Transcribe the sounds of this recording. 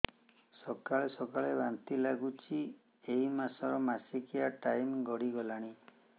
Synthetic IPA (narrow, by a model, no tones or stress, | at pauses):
sɔkaɭesɔkaɭebant̪ilaɡut͡ʃʰi | eimasɔɾɔmasikijaʈajmɡɔɽiɡɔlaɽ̃i